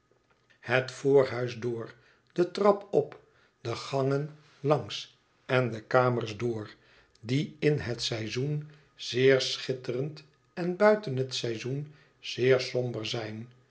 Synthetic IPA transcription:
hətfoːɹɦœɥzdʊːɹ | dətrɑpɔp | d̥əχɑŋən | lɑŋs | ɛndəkaːməɹzdʊːɹ | diɪnɦətsɛjzun | z̥ɪːɹsχɪtərənt | ɛnbœɥtənɦətsɛjzun | z̥ɪːɹsɔmbəɹzɛjn

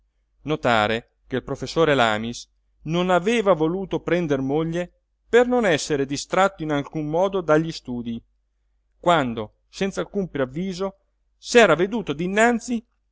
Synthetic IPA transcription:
not̪a̰ːɾe | kelpɾofesːoːɾela̰ːmis | nonaveːvavoluːt̪opɾɛnd̪ermoʎːe | pernonɛsːeɾed̪ist̪ɾat̪ːoinalkumːɔːd̪od̪aʎːist̪uːd̪i | kwand̪o | sɛnt̪salkumpɾiavːiːzo | sɛːɾaved̪uːt̪od̪inːant̪si

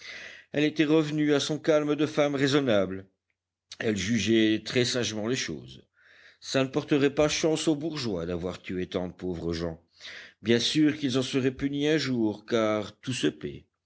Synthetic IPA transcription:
ɛlet̪ɛʁəvnyasɔ̃kalmd̪əfamʁezɔnabl | ɛlʒyʒɛt̪χɛsaʒmɑ̃leʃo̰ːz | sanəpɔʁt̪əʁɛpaʃɑ̃sobuʁʒwad̪avwaʁt̪yet̪ɑ̃d̪əpovʁəʒɑ̰̃ | bjɛ̃syʁkilzɑ̃səʁɛpyniɛ̃ʒuːʁkaʁt̪usəpɛ̰

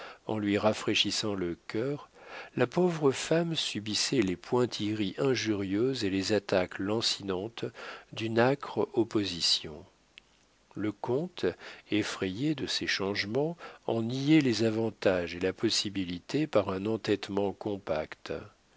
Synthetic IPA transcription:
ɑ̰̃lɥiʁafχeʃisɑ̃ləkʲœːʁlapovʁəfamsybisɛlepwɛ̃t̪ʰiʁiʔɛ̃ʒyʁjøzelezat̪aklɑ̃sinɑ̃t̪d̪ynakχɔpozisjɔ̰̃ | ləkɔ̃t̪efχejed̪əsɛʃɑ̃ʒmɑ̃ɑ̃nijelezavɑ̃t̪aʒelapɔsibilit̪ʰepaʁɛ̃nɑ̃t̪ɛt̪mɑ̃kɔ̃pakt̪

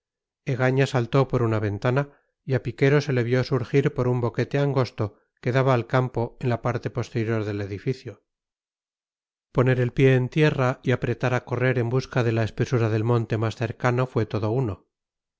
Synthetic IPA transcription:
e̞ɣ̞aɲasalt̪o̞po̞ɾunaβ̞e̞nt̪ana | iapike̞ɾo̞se̞le̞βjo̞suɾxiɾpo̞ɾumbo̞ke̞t̪e̞aŋɡo̞st̪o̞ | ke̞ðaβaːlkampo̞enlapaɾt̪e̞po̞st̪e̞ɾjo̞ɾðe̞le̞ðifiθjo | po̞ne̞ɾe̞lpje̞ːnt̪je̞raiapɾe̞t̪aɾako̞re̞ɾe̞mbuskaðe̞laespe̞suɾaðe̞lmõ̞nt̪e̞masθe̞ɾkano̞fwe̞t̪o̞ðo̞uno

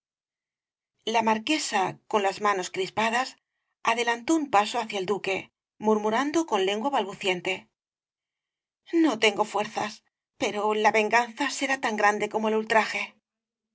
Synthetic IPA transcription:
lamaɾke̞sako̞nlazmano̞skɾispaðas | aðe̞lant̪o̞umpaso̞aθjaeld̪uke̞ | muɾmuɾand̪o̞ko̞nle̞ŋɡwaβalβuθje̞nt̪e̞ | no̞t̪e̞ŋɡo̞fwe̞ɾθas | pe̞ɾo̞laβe̞ŋɡanθase̞ɾat̪aŋɡɾand̪e̞ko̞mo̞elult̪ɾaxe̞

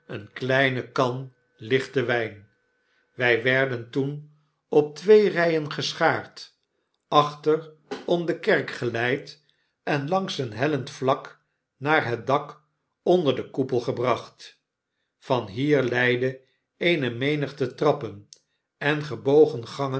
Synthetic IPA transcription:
ənklɛjnəkɑn | lɪχtəʋɛjn | ʋɛjʋɛɹdəntun | ɔp̚tʋejrɛjənχəsχaːɹt | ʔɑχtər | ɔmdəkɛrkχəlɛjt | ɛnlɑŋsənɦɛləntflɑk | naːɹɦət̚dɑk | ɔndəɹdəkupəlˠχəbrɑχt | fɑnɦiːɹlɛjdə | ejnəmejnəχtətrɑpən | ɛnχəbowχənχɑŋə

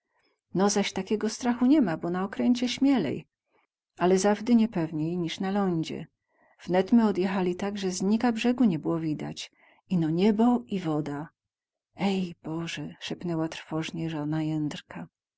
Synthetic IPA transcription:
nɔzaɕt̪akʲɛɡɔst̪ɾaxuɲɛmabɔnaɔkɾɛɲt͡ɕɛɕmʲjɛlɛ̰j | alɛzavd̪ɘɲɛpɛvɲejɲiʂnalɔɲd͡ʑɛ̰ | v̥nɛt̪mɘɔd̪jɛxalʲit̪aɡʐɛzɲikabʐɛɡuɲɛbɘwɔvʲid̪a̰t͡ɕ | inɔɲɛbɔivɔd̪a | ɛjb̥ɔʐɛʂɛpnɛwat̪ɾfɔʐɲɛʐɔnajɛnd̪ɾkʰa

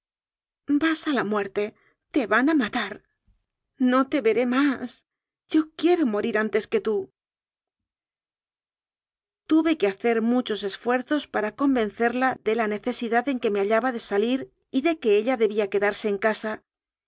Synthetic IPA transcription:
basalamwe̞ɾt̪e̞ | t̪e̞βanamat̪aɾ | no̞t̪e̞βe̞ɾe̞mas | ɟ͡ʝo̞kje̞ɾo̞mo̞ɾiɾant̪e̞ske̞t̪u | t̪uβe̞ke̞aθe̞ɾmut͡ʃo̞se̞sfwe̞ɾθo̞spaɾako̞mbe̞nθe̞ɾlaðe̞lane̞θe̞siðaðe̞ŋke̞me̞aʎaβaðe̞saliɾ | iðe̞ke̞eʎaðe̞βiake̞ðaɾse̞ːŋkasa

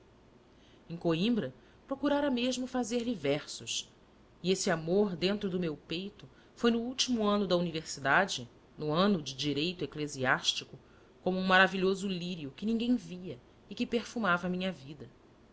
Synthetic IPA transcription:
ẽj̃koĩmbɾɐ | pɾokuɾaɾɐmeʒmʊfazeɾlivɛɾsʊs | iesɪamoɾd̪ẽnt̪ɾʊd̪ʊmewpejt̪ʊ | fojnʊuwt͡ʃimuɐ̃nʊd̪ɐuniveɾsid̪ad͡ʒɪ | nʊɐ̃nʊd͡ʒɪd͡ʒiɾejt̪ʊekleziaʃt͡ʃikʊ | kõmʊũmaɾaviʎozʊliɾiʊkɪnĩŋɡẽj̃viɐ | ɪkɪpeɾfumavɐːmĩɲɐvid̪ɐ

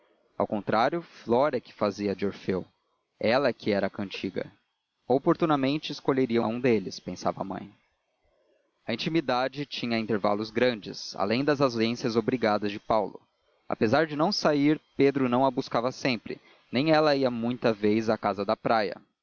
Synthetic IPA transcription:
a̰wkõnt̪ɾaɾjʊflɔɾɐkɪ̥faziɐd͡ʒoɾfew | ɛlɐkɪɛɾɐkɐ̃nt͡ʃiɡɐ̰ | opoɾt̪unɐmẽnt͡ʃɪːskoʎeɾiɐũd̪elɪspẽsavɐa̰mɐ̰̃j̃ | ɐĩt͡ʃimid̪ad͡ʒɪt͡ʃĩɲɐĩnt̪eɾva̰lʊzɡɾɐ̃nd͡ʒɪsa̰lẽj̃d̪ɐzɐzẽsjɐzobɾiɡad̪ɐzd͡ʒɪpawlʊ | a̰pezaɾd͡ʒɪnɐ̃w̃saiɾped̪ɾʊnɐ̃w̃ɐbuskavɐsẽmpɾɪ̰ | nẽj̃ɛlɐiɐmũj̃t̪ɐvejzakazɐd̪ɐpɾajɐ̰

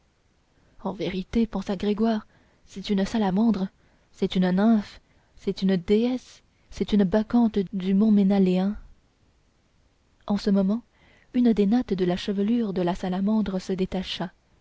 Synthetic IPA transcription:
ɑ̃veʁit̪epɑ̃saɡʁeɡwaːʁ | sɛt̪ynsalamɑ̃d̪ʁə | sɛt̪ynnɛ̃f | sɛt̪ynd̪eɛsː | ɛt̪ynbakɑ̃t̪d̪ymɔ̃menaleɛ̃ | ɑ̃səmɔmɑ̃ | ynd̪enɔt̪d̪əlaʃəvəlyʁd̪əlasalamɑ̃d̪ʁəsəd̪et̪aʃa

